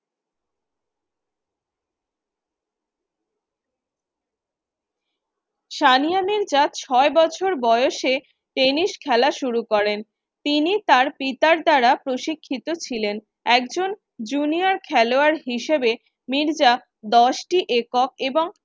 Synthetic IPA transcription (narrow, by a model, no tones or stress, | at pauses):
ʃanijaneɾd͡ʑat̪t͡ɕʰɔebɔt͡ɕʰoɾbɔeoʃe | ʈeniʃkʰɛlaʃuɾukɔɾen | t̪init̪aɾpit̪aɾd̪aɾapɾoʃikʰːit̪ot͡ɕʰilen | ɛkd͡ʑon | d͡ʑuniaɾkʰɛloaɾɦiʃebe | miɾd͡ʑa | d̪ɔʃʈiʔekok̚eboŋ